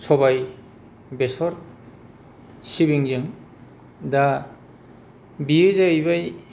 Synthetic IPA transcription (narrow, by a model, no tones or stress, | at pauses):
sʰɔβaj | besɔɾ | sibiŋzɯŋ | da | biɯzaɯjbaj